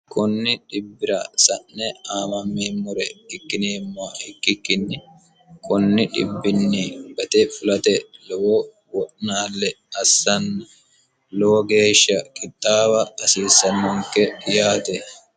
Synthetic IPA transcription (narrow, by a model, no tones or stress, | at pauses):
kʊnːɪᶑɪbːɪɾɐsɐʔnɛaːmɐmːeːmʊɾɛɪkːɪneːmːaːɪkːɪkːɪnːɪ | kʰʊnːɪᶑɪ̰bːɪnːiɡɐt̪ɛfʊlɐt̪ɛlɔwo | wɔʔnaːlːɛ | ɐsːɐnɐ | loɡe̞ːʃːɐkʼɪt̪ʼːaːbɐːsiːsːɐnːɔŋkɛjaːt̪ɛ